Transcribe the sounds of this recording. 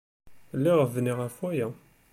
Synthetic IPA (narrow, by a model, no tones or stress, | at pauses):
lːiʁəvniʁæfwæjæ